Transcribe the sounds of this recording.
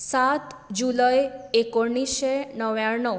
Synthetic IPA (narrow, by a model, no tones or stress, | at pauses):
sat̪d͡ʒuləjekoɳisenəʋjaɳəʋ